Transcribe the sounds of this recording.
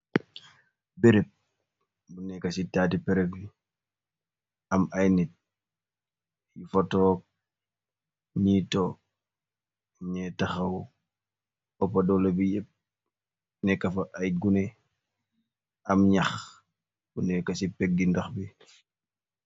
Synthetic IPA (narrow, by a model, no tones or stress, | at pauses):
beɾep̚ | bunɛkɐsitaːtipɛɾɛki | ɐmajnit̚ | jifɐtɔːk̚ | ɲitɔ | ɲɛtɐxɐw | ɔpːɐdɔlobijɛp̚ | nɛkːɐfɐʔɐjɡunɛ | ɐmɲɐx | bunɛkɐsipɛɡ̚ːindɐxbi